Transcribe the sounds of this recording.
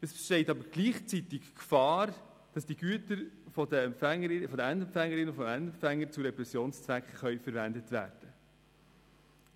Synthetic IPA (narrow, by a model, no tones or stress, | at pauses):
ɛsfə̥ʃtɛɪtɑbəɾɡ̥liːχt͡sitɪkkfɑːɾ | d̥ɑsd̥iɡ̥yətəɾfɔdəɛmpfɛŋːəɾɪfɔdəændɛmfæŋːəɾɪnəfɔmæntɛmfæŋːəɾt͡suɾɛpɾɛsjoːnst͡sʋækχχœʏfəɾvændətvæ̰ːɾd̥ə